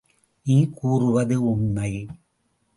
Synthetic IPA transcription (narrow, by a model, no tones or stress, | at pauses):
niːkuːrɯʋɐðɯʊmːɐɪ